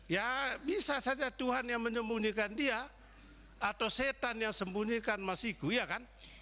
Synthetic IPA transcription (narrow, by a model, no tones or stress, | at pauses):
jabisasad͡ʒat̪uɦanjaŋməɲəmbuɲikandia | at̪awset̪anjaŋsəmbuɲikanmasiɡuijakan